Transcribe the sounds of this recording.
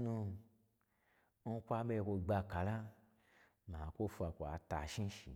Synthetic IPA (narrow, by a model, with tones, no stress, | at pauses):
nũ˧ | n̩˦kʷa˦be˦˧kʷo˧ɡ͡ba˧ka˨˦la˦ | mã˨kʷo˦fu˧a˨kʷo˨a̰˧ta̰˨ʃĩ˦ʃḭ˨